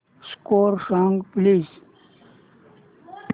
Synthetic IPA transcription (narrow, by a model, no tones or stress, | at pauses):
skoːɾsɔ̃ŋɡpliːz